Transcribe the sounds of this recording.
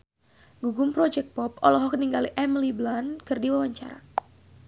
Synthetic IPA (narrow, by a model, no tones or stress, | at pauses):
ɡuɡʊmpɾɔd͡ʒɛk̚pɔpɔlɔɦɔk̚niŋɡaliʔɛmliblankɨrdiwawaɲt͡ʃa̰ɾa̰